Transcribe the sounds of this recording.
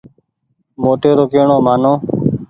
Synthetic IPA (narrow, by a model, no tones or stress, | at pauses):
moːʈeːɾoːkeːɳõːmaːnõː